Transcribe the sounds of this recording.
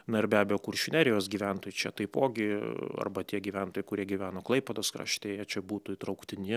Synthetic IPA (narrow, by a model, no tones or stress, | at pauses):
nɐɪrbʲæːbʲɛjokʊrʲʃʲɪnʲæːɾʲɪjoːsɡʲiːʋʲænt̪oːjɪt͡ʃʲɛt̪ɐɪpoːɡʲɪɐ̰rbɐt̪ʲiɛɡʲiːʋʲænt̪oːjɪkʊɾʲiɛɡʲiʋʲæːnoːklˠɐɪpʲɛd̪oːskɾ̰ʃʲt̪ʲeːjɛt͡ʃʲɛbuːt̪ʊit̪ɾɐʊkt̪ʲɪnʲɪ